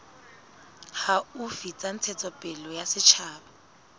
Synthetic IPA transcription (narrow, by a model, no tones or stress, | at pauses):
haufit͡sʼant͡sʰɛt͡sʰʼɔpʼɛlɔjasɪt͡ʃʰaːba